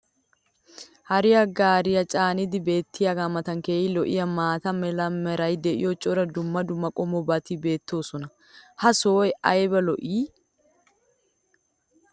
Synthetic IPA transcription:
hɐɾɪjɐɡaːɾɪjɐt͡ʃʼaːnɪd̪ɪbe̞ːt̪ːɪjɐɡamɐt̪ɐŋkeːɪlɔʔɪ̰jɐmaːt̪ɐmɛlɐmɛɾɐjd̪ɛʔɪ̰jɔt͡ʃʼɔɾɐd̪ʊmːɐd̪ʊmːɐkʼɔmɔbɐt̪ibe̞ːt̪ːo̞ːsɔnɐ | hɐsoːjɐjbɛlɔʔiː

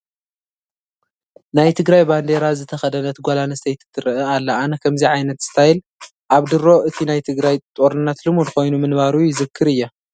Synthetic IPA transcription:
najt̪ʰɨɡɾajband̪e̞ɾazɨt̪ʰɐxɐd̪ɐnɐt̪ɡʷalanɐst̪ʰejt̪ʰɨ̥t̪ʰːɨɾɨʔɐalːɐankʰɐmziʕajnɐt̪z̥ɨ̥t̪ʰajil | ʔaβd̪ɨɾo̞ʔɨt̪ʰinajt̪ʰɨɡɾajt̪ʼo̞ɾɨnːat̪lɨmud̪ko̞jnumɨnbaɾujɪzɨkʰːɨɾɨjːa

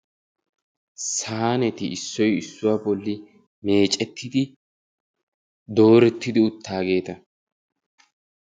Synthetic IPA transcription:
saaːnɛt̪ɪɪsːɔjɪsːʊwaːbɔlːɪ | me̞ːt͡ʃʼɛt̪ːɪd̪ɪ | d̪o̞ːɾɛt̪ːɪd̪ɪʊt̪ːaːɡe̞ːt̪ɐ

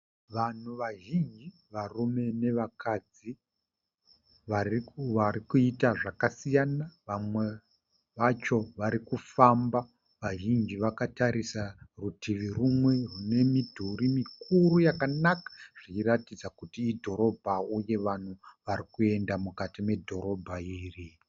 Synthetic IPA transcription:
ʋan̤uʋaʒind͡ʒi | ʋarume̞ne̞ʋakad͡zi | ʋaaɾikuitaʐakasijanaʋamwe̞ | ʋat͡ʃo̞ʋaɾikufamba | ʋaʒind͡ʒiʋakataɾisarutiʋirumwe̞rune̞midʱuɾimikuɾujakanakḁʐ̥iiratid͡zakutiːdʱo̞ɾo̞bʱauje̞ʋan̤uʋaɾikue̞ndamukatime̞dʱo̞ɾo̞bʱaiːri

